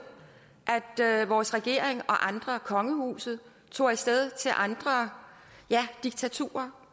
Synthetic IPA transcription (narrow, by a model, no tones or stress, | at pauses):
ʔæd̥ʋɒːsʁɛɡ̥e̝̰ɐeŋɒ̽ʔɑ̈nd̥ʁɐkʰɒ̽ŋəhṵːsð̞̩ˠ | t͡sʰo̝̰ːe̥sd̥eð̞ˠt͡sʰe̝lʔɑ̈nd̥ʁɐ | jæd̥iɡ̥̚t͡sʰæt͡sʰṵːɐ